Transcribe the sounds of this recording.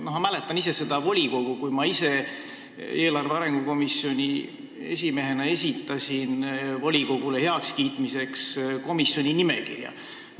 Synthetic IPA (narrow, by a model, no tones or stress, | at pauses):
noɦmæle̞t̪ːˑɑnise̞se̞d̪̥ɑvo̞lʲiko̞ɡ̥ukujmɑise̞ | e̞ːlɑrveɑɾe̞ŋɡ̥uko̞misjo̞nʲi | e̞̰sʲime̞ɦe̞nɑe̞s̬ʲit̪ːˑɑsʲinvo̞lʲiko̞ɡ̥ulehe̞ɑkskiːt̪mise̞ksko̞misˑjo̞nʲinime̞̰kḭrjɑ̰